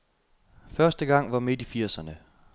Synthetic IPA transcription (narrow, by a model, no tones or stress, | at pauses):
fɶɐsd̥əɡ̥ɑ̈ŋ̰ʋɑ̈me̝d̥ifiɐ̰sɐnə